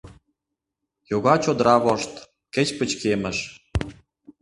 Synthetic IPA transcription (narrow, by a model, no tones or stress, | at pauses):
joɣɑt͡ɕod̪ɾɑβoʃt̪ | kĕt͡ɕpə̆t͡ɕkemə̆ʃ